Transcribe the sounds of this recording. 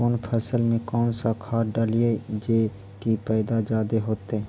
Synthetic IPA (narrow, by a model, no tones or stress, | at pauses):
oːnpʰəsəlmẽkɔːnsakʰaːɾɖəlied͡ʒe | kipɛːd̪ad͡ʒaːd̪eɦoːt̪e